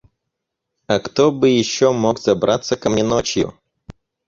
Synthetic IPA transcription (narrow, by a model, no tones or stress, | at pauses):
ɐkt̪obɨjɪɕːomokz̥ɐbɾʔat̪səkɐmnʲɪnot͡ɕjʊ̰